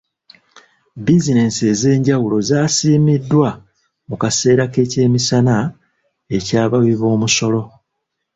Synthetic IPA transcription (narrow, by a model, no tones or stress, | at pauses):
bizine̞se̞ze̞ːɲɟawulo̞zaːsiːmidːwa | mukase̞ːɾake̞ːce̞ːmisana | e̞caːβawiβo̞ːmuso̞lo̞